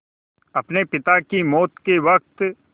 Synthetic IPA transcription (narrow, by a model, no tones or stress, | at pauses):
ɐpnepɪt̪akimɔːt̪keʋɐk̚t̪